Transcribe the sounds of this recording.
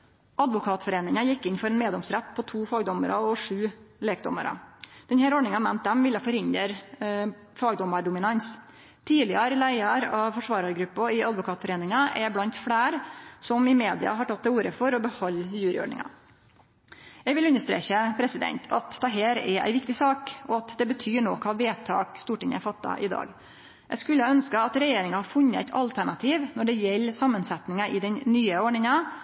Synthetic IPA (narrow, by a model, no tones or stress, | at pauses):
ʔɑd̪ʋʊkʰɑːt̪fɔɾeːnɪŋɑjɪkːɪnfɔɾɛnmeːd̪ɔmsɾɛt̪ːpʰɔt̪ʰuːfɑːɡd̪ɔməɾɑɔʂʉːleːkd̪ɔ̰mə̰ɾɑ̰d̪̥ɛnhæːɾɔɖɳɪŋɑmɛnt̪̚d̪ɛmʋɪlːəfɔɾhɪnd̪əɾ | fɑːɡd̪ɔmːɑɖʊmɪnɑns | t̪ʰiːlɪəɾlæɪəɾɑfɔʂʋɑːɾɑɾəɡɾʉpːɔɪɑd̪ʋʊkʰɑːt̪fɔɾeːnɪŋɑʔɛɾblɑnt̪fɽeːɾsɔmɪmeːd̪ɪ̰ɑ̰ɦɑʈʰɑt̪̚d̪ɛuːɾəfɔɾɔbəhɔlːjʉːɾɪ̰ɔ̰ɖɳɪ̰ŋɑ̰ | jæɡʋɪlʉnːəʂt̪ɾḛːçəpʰɾɛsɪd̪ɛ̰nt̪ʰɑt̪d̪ɛɦeːɾɛ̰ɾæ̰ɪʋɪkt̪ɪsɑːkɔɑt̪d̪ɛbət̪ʰyːɳoːkʰɑːʋeːt̪ʰɑ̰ːkst̪uːʈɪŋə̰æɾfɑt̪ːɑ̰ʔɪ̰d̪ɑ̰ːɡ | jʔæskʉlːəhɑœnskəɑt̪ɾɛjeːɾɪŋɑhɑɾfʉnːəæ̰ɪt̪ʰɑ̰lt̪ʰæɳɑt̪ʰiːʋnɔɖɛjɛlːsɑmːənsɛt̪nɪŋɑʔɪd̪ɛnnyːəɔɖɳɪŋɑ